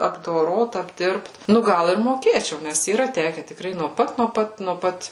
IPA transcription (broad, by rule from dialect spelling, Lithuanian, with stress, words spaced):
ɐbdoːˈroːt ɐbʲˈdʲɪrpt ˈnʊ ˈɡɐlˠ ɪr moːˈkʲeːt͡ʃʲɛʊ ˈnʲɛs iːˈrɐ ˈtʲæːkʲɛ tʲɪkˈrɐɪ nuɔ ˈpɐt nuɔ ˈpɐt nuɔ ˈpɐt